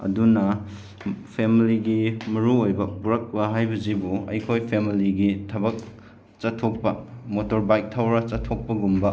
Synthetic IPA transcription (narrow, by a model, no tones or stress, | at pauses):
ɐ̰dunɐ | pʰemiliɡimɐɾuojbɐpuɾɐk̚bɐɦajbɐzibuɐ̰jkʰojpʰemiliɡitʰɐbɐk̚ | t͡ʃɐtʰːok̚pɐmotoɾbajk̚tʰawɾɐt͡ʃɐtʰok̚pɐɡumbɐ